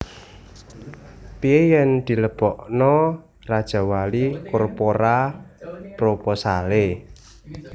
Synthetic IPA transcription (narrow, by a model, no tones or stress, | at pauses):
t̪iejɛnd̪̥i̤ləb̥ɔʔnɔ | rad̥ʒ̥a̤walikɔrpoɾa | pɾopɔsale